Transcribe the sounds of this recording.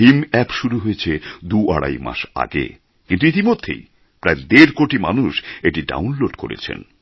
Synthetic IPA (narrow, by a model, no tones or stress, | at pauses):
imɛpʃuɾuɦojet͡ɕʰed̪uʔaɽa̰jma̰ʃa̰ɡḛ | kint̪uit̪imod̪ʱːḛj | pɾaed̪eɾkoʈimanuʃeʈiɖa̰wnloɖko̰ɾḛt͡ɕʰḛn